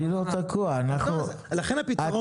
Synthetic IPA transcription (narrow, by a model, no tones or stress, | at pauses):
ilot̪akʰuaːnaχu | laχenapit̪ao